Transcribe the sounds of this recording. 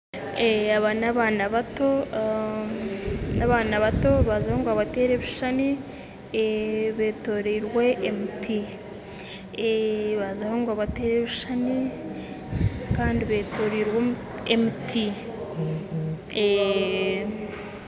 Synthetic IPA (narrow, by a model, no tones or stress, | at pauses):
eaβanaβaːnaβato̞ | naβaːnaβato̞βazahoŋɡoaβate̞ːɾe̞βiʃani | βe̞ːto̞ɾiːɾwe̞ʔemitʰi | eβazahoŋɡoaβate̞ːɾe̞βiʃani | kaːndiβe̞ːtʰo̞ɾiɾwo | emitʰi | e